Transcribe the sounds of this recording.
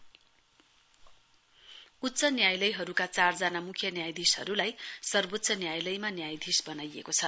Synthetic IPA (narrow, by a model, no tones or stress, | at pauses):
ut̪ːt͡sʌnjajlʌjɦʌɾukat͡sard͡zanamukʰjʌnjajd̪isɦʌ̰ɾulajsʌrbot̪ːsʰʌnjajlʌjmanjajd̪ʱisbʌnajekot͡sʰʌ